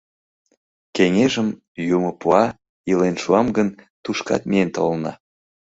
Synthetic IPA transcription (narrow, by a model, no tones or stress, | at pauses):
keŋeʒəm | jumopuɑ | ilenʃuɑmɡənt̪uʃkɑ̰t̪mient̪olnɑ̰